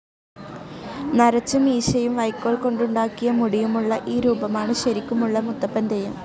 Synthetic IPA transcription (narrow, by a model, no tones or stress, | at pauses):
nɐɾɐt͡ɕːɐmiːɕɐjumʋɐjkːoːɭko̞ɳɖuɳɖaːkːijɐmuɽijumuɭːɐʔiːɾuːbɐmaːɳɨɕɐɾikʲːumuɭːɐmut̪ːɐpːɐnd̪ɐjum